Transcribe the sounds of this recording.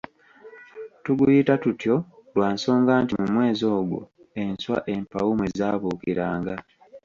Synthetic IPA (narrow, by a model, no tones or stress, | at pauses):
tuɡujitatutjo̞lwaːnso̞ːŋɡaːntimumwe̞ːzo̞ːɡṵ | e̞nswa̰ʔe̞mpawumwe̞zaːβuːkiɾaːŋɡa